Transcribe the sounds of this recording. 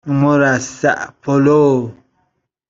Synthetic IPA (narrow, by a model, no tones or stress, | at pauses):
moɾasa̰ʔpʰolo